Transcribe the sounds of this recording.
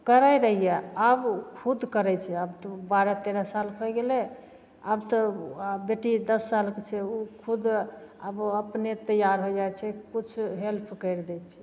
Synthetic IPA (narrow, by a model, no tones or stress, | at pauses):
kəɾajɾəɦijɛabkʰud̪kəɾɛt͡ʃʰɛabt̪ɔbaɾɛt̪eɾasalkʰɔɡelɛ | a̰bt̪əbeʈid̪əsːalket͡ʃʰɛukʰud̪əbəpnet̪əjaɾɦod͡ʒajt͡ʃʰɛkut͡ʃʰɦelpʰkəɪɾd̪ɛt͡ʃʰɛ̥